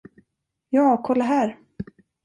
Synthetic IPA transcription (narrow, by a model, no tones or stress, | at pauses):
jɑːkʰɔlːaɦæːɾ